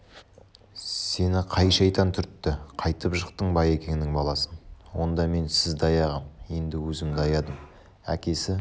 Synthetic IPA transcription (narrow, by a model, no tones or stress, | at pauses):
se̞nɪqʰɑjʃɑjt̪ɑnt̪ʰʏɾt̪ːɪqʰɑjt̪əpʒəqt̪əɴbɑje̞kʲe̞ŋɪnɪŋbɑlˠɑsənwo̞nd̪ɑme̞nsɪzd̪ɑjɑʁɑmje̞nd̪ɪwɵzɪmd̪ɑjɑd̪əm | æ̰kʲe̞sɪ